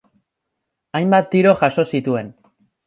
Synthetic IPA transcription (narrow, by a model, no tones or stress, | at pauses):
ajmbat̪ːiɾo̞ʝaʃo̞sit̪ue̞n